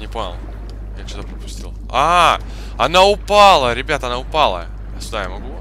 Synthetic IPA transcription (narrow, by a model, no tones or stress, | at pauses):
nʲɪponʲɪ̰lˠ | jat͡ɕod̪apɾəpʊ̥sʲtʲḭlˠ | aa | ɐnaʊpalˠəɾʲɪbʲat̪əɐnaʊpalˠə̰ | sʲʊd̪ajamɐɡu